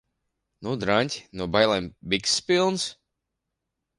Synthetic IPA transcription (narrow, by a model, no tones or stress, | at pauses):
nud̪ɾanʲt̪ʲnuɔbajlˠambiksːpilˠns